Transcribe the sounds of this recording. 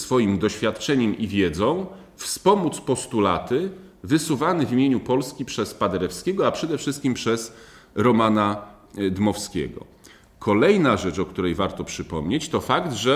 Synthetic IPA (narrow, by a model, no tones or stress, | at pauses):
sfɔjimd̪ɔɕfʲjat̪t͡ʂɛɲɛmivʲjɛd̪zɔ̃w̃ | fspɔmut̪spɔst̪ula̰t̪ɘ | vɘsuvanɘvʲimʲjeɲupɔlskʲipʂɛspad̪ɛɾɛfskʲɛɡɔapʂɛd̪ɛfʂɘst̪̚kʲimpʂɛz | ɾɔmana | d̪mɔfskʲɛ̰ɡɔ̰ | kʰɔlɛjnaʐɛt͡ʂɔk̚t̪uɾɛjvaɾt̪ɔpʂɘpɔmɲet͡ɕt̪ɔfakd̪ʐɛ